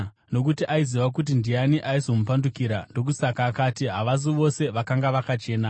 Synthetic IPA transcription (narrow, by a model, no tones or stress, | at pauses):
no̞k̬utiʔaiziʋak̬ut̬indianiʔaizo̞mupandukiɾando̞k̬usakaːkatiɦaʋaz̬iʋo̞se̞ʋakaŋɡaʋakat͡ʃe̞ːna